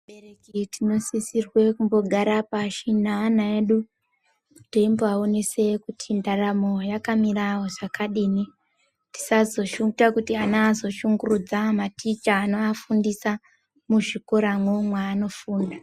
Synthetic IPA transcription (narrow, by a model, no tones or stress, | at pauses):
ɓerekitino̞sisirwe̞kumbo̞ɡʱaɾapaʃinanaeɗu | te̞mboaonese̞kutʰindaramo̞jakamirawoʐ̥akʰaɗiːni | ti̥sazo̞ʃuŋɡutakutianaːzo̞ʃuŋɡurud͡zamatit͡ʃaːnoafundisa | muʐiko̞ɾamwumwaːno̞fuːnda